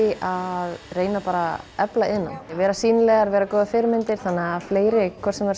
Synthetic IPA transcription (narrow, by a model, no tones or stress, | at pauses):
iaðreːjnapaːɾaɛplaɪnːa̰nvɛːɾasiːnlɛɣaɾvɛːɾakɔːðɪfɪɾɪmɪnt̪ɪɾ̥θanːɛɣafleːjɾɪkʰvɛɾ̥sɛmvaɾ